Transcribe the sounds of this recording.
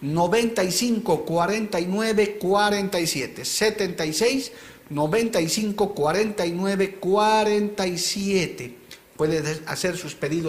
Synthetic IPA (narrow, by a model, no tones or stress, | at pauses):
noβent̪ajsiŋkokwaɾent̪ajnweβekwaɾent̪ajsjet̪eset̪ent̪ajsejs | noβent̪aisiŋkokwaɾent̪aijnweβekwaɾent̪ajsjet̪e | pweðea̰seɾsuspeðiðo